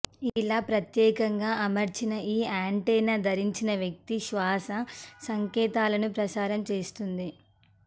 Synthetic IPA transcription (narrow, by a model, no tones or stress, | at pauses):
laːpɾɐt̪jɛːkɐŋɡaːʔɐmɐɾt͡ʃinɐiːaːɳʈɛjnaːd̪ʱɐɾiɲt͡ʃinɐʋjɐk̚t̪iʃʋaːsɐsɐŋkɛːt̪aːlɐnupɾɐsaːɾɐmt͡ʃeːst̪und̪i